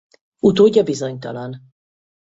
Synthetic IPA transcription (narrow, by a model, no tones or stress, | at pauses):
ut̪oːɟːɒbizo̞ɲt̪ɒ̰lɒn